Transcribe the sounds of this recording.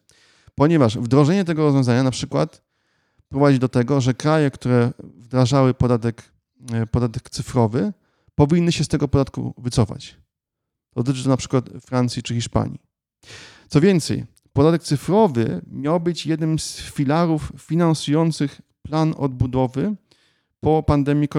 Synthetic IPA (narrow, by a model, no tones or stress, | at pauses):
pɔɲɛvaʂvd̪ɾɔʐɛɲɛt̪ɛɡɔɾɔzvjɔ̃zaɲanapʂɘkwa̰t̪ | pɾɔvad͡ʑid̪ɔt̪ɛɡɔʐɛkɾajɛkt̪uɾɛvd̪ɾaʐawɘpɔd̪at̪ɛk | pɔd̪at̪ɛkt̪sɘfɾɔvɘ | pɔvʲinːɘɕɛst̪ɛɡɔpɔd̪at̪kṵvɘt̪sɔfa̰t͡ɕ | d̪̥ɔd̪ɔt̪ɘt͡ʂɘt̪ɔnapʂɘ̥kwat̪fɾant̪sʲjit͡ʂɘxʲiʂpa̰ɲḭ | t̪sɔvʲjɛnt̪sɛ̰j | pɔd̪at̪ɛk̚t̪sɘfɾɔvɘmʲjawbɘt͡ɕjɛd̪nɘmsfʲilaɾuffʲinansujɔnt̪sɘxplanɔ̰d̪̚bud̪ɔvɘ | pɔpand̪ɛmʲjikɔ